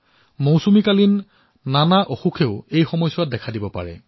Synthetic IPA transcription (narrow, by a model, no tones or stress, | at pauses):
mowsumikalinː | anaʔoxukʰeʊejxɔmɔjsʊwat̚dɛkʰadibɔpa̰ɹɛ̰